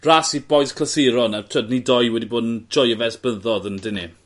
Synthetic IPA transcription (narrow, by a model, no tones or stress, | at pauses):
rasib̥ɔjskʰləsɪɾɔnatʰədnidɔjwɛdiboːdənd͡ʒɔjəvɛsb̥əðɔðəndɪni